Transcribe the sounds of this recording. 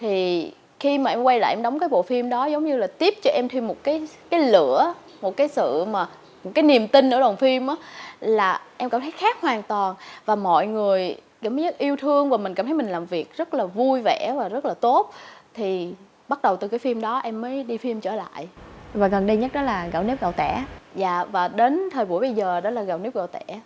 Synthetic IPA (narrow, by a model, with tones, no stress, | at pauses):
t̪ʰi˨˩ | xi˧maː˨˩ʔɛ˧mkwa˧jla̰ː˧˨ʔɛ˧mɗə˨˦wŋ͡mkaː˨˦jɓo̰˧˨fi˧mɗɔ˨˦zə˨˦wŋ͡mɲɨ˧laː˨˩t̪i˦˥əp̚t͡ɕɔ˧ʔɛ˧mt̪ʰi˧mo˨˩t̚kaː˨˦jkaː˨˦jlɨ̰˧˥ə | mo˨˩t̚kaː˨˦jsɨ̰˧˨maː˨˩ | mo˨˩t̚kaː˨˦jni˨˩əmt̪ï˧n̟ʔɨ̰˧˩˦ɗwaː˨˩nfi˧mʔaː˨˦laː˨˩ʔɛ˧mkaː˧˩mt̪ʰə˨˦jxaː˦˥k̚hwaː˨˩ŋt̪waː˨˩nvaː˨˩mɔ̰˧˨jŋɨ˨˩əjka̰˨˧˩mə˨˦ɲə˦˥t̚ʔi˧əwt̪ʰɨ˧əŋvaː˨˩mï˨˩ŋ̟kaː˧˩mʰə˨˦jmï˨˩ŋ̟laː˨˩mvi˨˩ək̚zə˦˥t̚laː˨˩vu˧jvɛ˧˩˥vaː˨˩zə˦˥t̚laː˨˩t̪o˦˥t̚t̪ʰi˨˩ | ɓa˦˥t̚ɗə˨˩wt̪ɨ˨˩kaː˨˦jfi˧mɗɔ˨˦ʔɛ˧mːəː˨˦jɗi˧fi˧mt͡ɕəː˧˩la̰ː˧˨jʔvaː˨˩ɣə˨˩nɗi˧jɲə˦˥t̚ɗɔ˨˦laː˨˩ɣa̰˧˩wni˦˥p̚ɣə˨˩wt̪ɛ˧˩za̰ː˧˨vaː˨˩ɗe˨˦nt̪ʰəː˨˩jɓu˧˩əjɓə˧jzəː˨˩ɗɔ˨˦laː˨˩ɣa˨˩wni˦˥p̚ɣə˨˩wt̪ɛ˧˥